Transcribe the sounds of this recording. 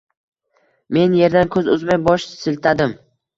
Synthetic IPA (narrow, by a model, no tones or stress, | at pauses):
me̞nje̞ɾd̪ankʰɵzʊzmajbɒʃsɪlt̪ʰad̪ɪm